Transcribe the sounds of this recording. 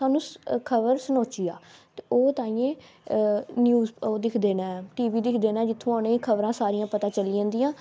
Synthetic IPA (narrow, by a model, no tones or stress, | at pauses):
aːnũːkʰəʋəɾsənoːt͡ʃiːaːt̪eːoːt̪aːĩjẽː | njuːzoːd̪ɪkʰd̪eːnaːʈiːʋiːd̪ɪkʰd̪eːnaːd͡ʒɪt̪ʰːõːnẽːiːkʰəbɾãːsaːɾijãːpət̪ãːt͡ʃəliãːnd̪ijãː